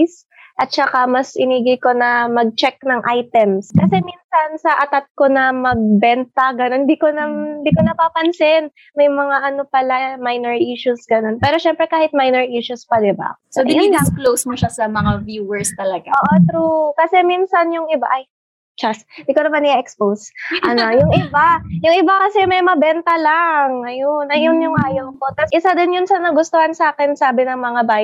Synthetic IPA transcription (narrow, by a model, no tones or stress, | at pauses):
s | ʔɐt̪̚t͡ʃɐkamɐsʔɪniːɡɪko̞nɐmɐɡ̚t͡ʃɛk̚nɐŋʔajt̪ɛmskɐsɛminsɐnsɐʔɐt̪at̪̚ko̞nɐmɐɡ̚bɛnt̪ɐɡɐnond̪ikonɐmnd̪iːkonɐpaːpɐnsɪn | mɐjmɐŋaʔɐnopɐlamajnɛɹʔiʃusɡɐno̞npɛːɾo̞ʃɛmpɾɛkaːhɪt̪̚majnɛɹʔiʃuspɐd̪ɪba̰sod̪ɪiɐklowsmoʃasɐmɐŋavjuːwɛɹst̪ɐlɐɡaʔoːʔot̪ɾukɐsɛminsɐnjʊŋʔɪba̰ʔɐj | t͡ʃasd̪ɪkonɐmanɪʔɛksposʔɐnojʊŋʔɪbajʊŋʔɪbakɐsɛmɐjmɐbɛnt̪ɐlaŋʔɐjonɐjonjʊŋʔaːjoŋpot̪ɐsʔɪsad̪ɪnjʊnsɐnɐɡʊst̪ohansaːkɛnsaːbɪnɐŋmɐŋabaːj